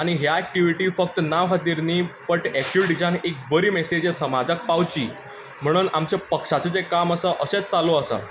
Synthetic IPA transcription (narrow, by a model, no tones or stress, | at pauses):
aɽ̃iɦjaɛk̚ʈiʋiʈiːfək̚t̪ənaʋɦət̪iɾniːpəʈɛk̚ʈiʋɖid͡zanek̚bəɾiːmɛsed͡ʑesəmad͡zak̚pawt͡ɕḭː | m̤əɽ̃uːnamt͡ɕepəkʂat͡sət͡sekaməsəʔəɕet͡st͡saloəsə̰